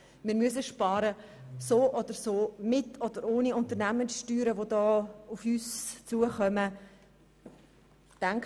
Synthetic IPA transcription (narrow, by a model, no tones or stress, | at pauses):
mɪːɾmyəs̬əʃpɑːɾəsoːʔɔd̥̪əɾsoːmɪtʰɔd̥̪əɾoːniʊnt̪əɾnæmənsʃtyːɾəvodɑːufyːst͡suəχœmə | tæŋk